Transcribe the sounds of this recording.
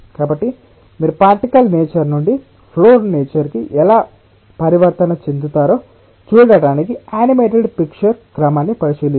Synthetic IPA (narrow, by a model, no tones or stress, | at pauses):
kaːbɐʈːi | miːɾupaːʈikɐlneːt͡ʃɐɾnuɳɖi | pʰloːɾneːt͡ʃɐɾkiʔɛlaː | pɐɾiʋɐɾt̪ɐnɐt͡ʃend̪ut̪aːɾo̞ː | t͡ʃuːɽɐɽaːnikiaːnimeːʈeɖpikt͡ʃɐɾkɾɐmaːnːipɐɾit͡ʃeːli